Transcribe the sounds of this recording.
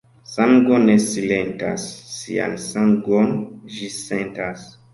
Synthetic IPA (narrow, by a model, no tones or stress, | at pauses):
saŋɡonesilenta̰sːḭa̰nsaŋɡond͡ʒisentas